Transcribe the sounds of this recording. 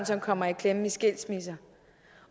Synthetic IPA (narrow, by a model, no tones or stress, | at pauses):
nsɒ̽mkʰɒ̽m̰ɐikʰlem̩isɡ̥el̰̥smisɐ